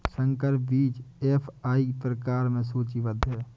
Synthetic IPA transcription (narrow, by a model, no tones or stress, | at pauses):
sə̃ŋkəɾp̚biːd͡ʒeːpʰaːipɾəkaːɾmẽs̬uːt͡ʃiʋəd̪ʱɦɛː